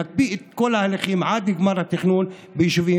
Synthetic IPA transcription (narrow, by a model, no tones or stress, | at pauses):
at̪̚biet̪̚kolahaleχimʕad̪liɡmaɾhat̪iχnun | bejiʃuvi